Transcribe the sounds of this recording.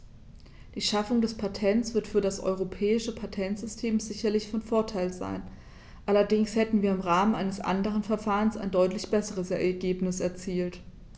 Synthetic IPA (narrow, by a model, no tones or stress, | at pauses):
d̥iːʃafʊŋdɛspʰatʰɛntt͡sv̥ɪɐtfyːɐdasʔɔ̰ʏʁ̞opʰɛːɪʃəpʰatʰɛntz̥ʏstʰeːmzɪçɐlɪçfɔnfoɐtʰaɪlza̰ɪn | ʔalɐdɪŋshɛtn̩viːɐɪmʁaːmənʔaɪnəsʔa̰ndəʁ̞ənfɛɐfaːʁənsa̰ɪndɔʏtlɪçb̥ɛsəʁ̞əsɛɐɡeːpnɪsɛɐt͡siːlt